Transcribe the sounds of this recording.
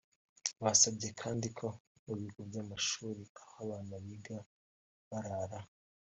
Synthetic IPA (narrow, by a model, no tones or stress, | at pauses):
βasabɟe̞kʰaːndikʰo̞uβiɡubɟaːmaʃuːɾiahaβaːnaβiɡa | βaɾaɾa